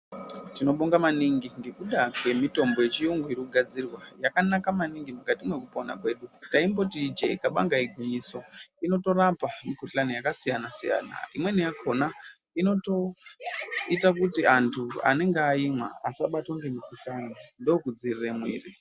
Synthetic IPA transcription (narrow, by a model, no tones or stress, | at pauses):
tino̞ɓoŋɡamaniŋɡiŋɡe̞kuɗakwe̞mito̞mbo̞je̞t͡ʃijuŋɡoirukuɡʱad͡zirwajakanakamaniŋɡimukatimwe̞kupona̰kwe̞ːɗutaimbo̞tid͡ʒḛikaɓa̰ŋɡaiɡʱuɲiso̞ino̞to̞rapamikuɬanijakasijanasija̰ːna̰imwe̞nijakʰo̞na | ino̞to̞ | itakutiantʰua̰ne̞ŋɡeaimwa̰a̰saɓatwaŋɡemikuɬanindokud͡ziriremwḭːri